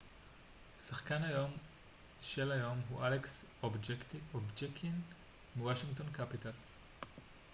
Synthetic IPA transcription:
saχkanajo̞m | ʃelajo̞mɦuʔaleksobd͡ʒektiobd͡ʒekin | miwaʃiŋɡtonkapitals

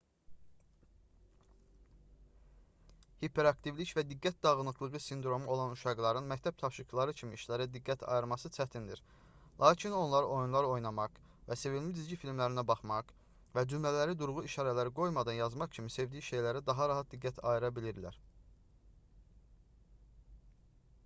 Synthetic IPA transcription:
hipʰe̞ɾɑkt̪ivlicvæd̪iɡːæt̪̚d̪ɑʁɯnˠɯqlˠɯʁɯsind̪ɾo̞muo̞lˠɑnuʃɑɡlˠɑɾɯnmæct̪ʰæb̥̚t̪ʰɑfʃiklˠɑɾɯcʰimiːʃlæɾæd̪iɡːæt̪ʰɑ̰jɯɾmɑsɯt͡ʃʰæt̪ʰind̪ḭɾ | lˠʔɑːcʰino̞nlˠɑɾʔo̞junlˠɑɾo̞jnɑmɑq | væse̞vilmid̪izɟifilmlæɾinæbɑχmɑq | væd͡ʒymlælæɾid̪uɾʁuiʃɑːɾælæɾiɡo̞jmɑd̪ɑnjɑzmɑqcʰimise̞vd̪ijiʃe̞jlæɾid̪ɑɦɑɾɑɦɑt̪̚d̪iɡːæt̪ʰɑ̰jiɾɑbiliɾlæ̰ɾ

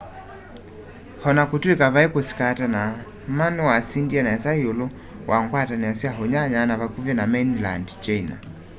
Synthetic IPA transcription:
hɔnakutuikaβaikusi̥katana | manuwasindianaasaiɔlɔ | wʔaŋɡwatanɛasiaɦɔɲaɲanaβakuvɛnamɛnla̰ndt͡ʃaina̰

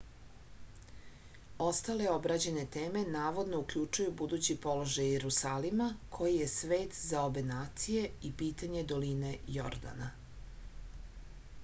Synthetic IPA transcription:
o̞st̪ale̞o̞bɾad͡ʑene̞t̪eːme̞naːʋo̞d̪no̞ukʎut͡ʃujubud̪uːt͡ɕipo̞lo̞ʒajeɾusaːlimakʰo̞jije̞sʋeːt̪zao̞be̞naːt̪sije̞ipiːt̪aɲe̞d̪o̞line̞jo̰ɾd̪a̰na

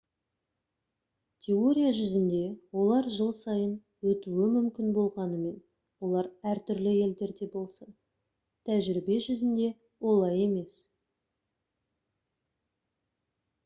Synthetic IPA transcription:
t̪ʲʰe̞o̞ɾʲijaʒʏzɪnd̪e̞wo̞lˠɑɾʒəlˠsɑjən | wɵt̪uwɪmʏmkʲɪnbo̞lˠʁɑnəme̞n | wo̞lˠɑɾæɾt̪ʰʏɾlɪe̞ld̪e̞ɾd̪e̞bo̞lˠsən | t̪ʰæʒɪɾibe̞ʒʏzɪnd̪e̞ | wo̞lˠɑje̞me̞s

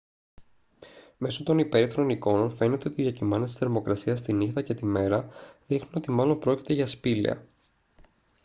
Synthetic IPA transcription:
me̞so̞t̪o̞nipe̞ɾiθɾo̞niko̞no̞nfe̞ne̞t̪e̞o̞t̪iðjɐcimɐnet̪i̥seɾmo̞kɾɐsiɐst̪inixt̪ɐce̞t̪ime̞ɾɐðixnuno̞t̪imɐlo̞mpɾo̞ci̥t̪eʝɐspilḭɐ̰

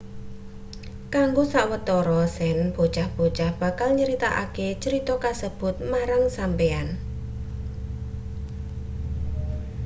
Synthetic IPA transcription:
kaŋɡosaʔwət̪ɔɾɔsɛnb̥o̤t͡ʃahb̥o̤t͡ʃahb̥a̤kalɲəɾit̪aʔa̰ket͡ʃəɾit̪ɔkasəb̥ʊ̤t̪̚maɾaŋsampean

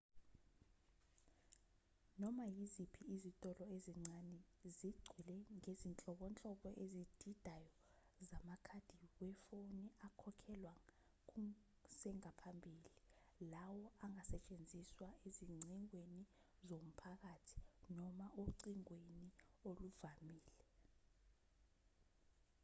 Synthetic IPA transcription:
nɔmajizipʰiːzitʼɔlɔeziŋ͡ǀanɛziɡ͡ǀʱilɛŋezint͡ɬʼɔɓɔnt͡ɬʼɔɓɔʔezid̥ʱid̥ʱajɔ | zamakʰad̥ʱiwɛfoniakʰɔkʰɛlwa | k̬u | sɛŋapʰambʱiːlilawɔaŋasɛt͡ʃʼend͡zʱiswaeziŋ͡ǀiŋweni | zom̩pʰak̬atʰi̥nɔmaʔoǀiŋwenioluvamiːlɛ

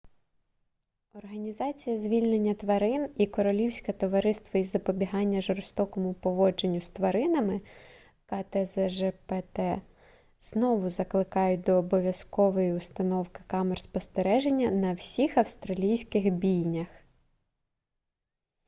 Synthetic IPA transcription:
ɔrɦɐnʲizɑt͡sʲijɐzʲʋʲilʲnenʲːɐt̪ʋɐɾɪnikɔɾɔlʲiwsʲkɐt̪ɔʋɐɾɪst̪ʋɐizɐpɔbʲiɦɑnʲːɐʒɔɾst̪ɔkɔmʊpɔʋɔd͡ʒenʲːʊst̪ʋɐɾɪnɐmɪ | kɐt̪ɛzɛʒɛpɛt̪ɛ | z̥nɔʋʊzɐklˠɪkɑjʊd̪ɔːbɔʋʲjɐskɔʋɔjiʊst̪ɐnɔwkɪ̥kɑmɛrspɔst̪eɾɛʒenʲːɐnɐwsʲixɐwst̪ɾɐlʲijsʲkɪxbʲijnʲɐx

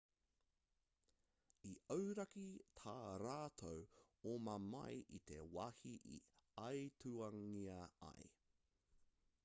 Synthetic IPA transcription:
iəwɾɐkit̪ʰaːɾaːt̪ʰow | omɐmɐ̰jʔit̪e̞waːhiʔḭɐjt̪uɐŋiɐɐ̰j

